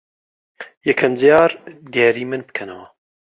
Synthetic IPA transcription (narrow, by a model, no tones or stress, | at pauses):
jɛkʰɐmzijɑːɾd̪ijɑːɾiːmɨnbɨ̥kʰɐnɐwɐ